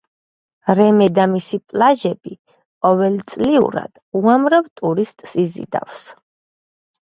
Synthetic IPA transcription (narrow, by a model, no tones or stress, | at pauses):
ɾɛmɛd̪amisipʼlaʒɛbi | qʼɔvɛlt̪sʼliṵɾa̰d̪̥uamɾavt̪ʼuɾist̪ʼsizḭd̪a̰fs